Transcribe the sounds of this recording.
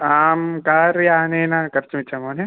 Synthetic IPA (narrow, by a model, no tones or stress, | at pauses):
aːmkaːɾjaːnenãːkɐɾt͡ʃmit͡ʃʰamoːne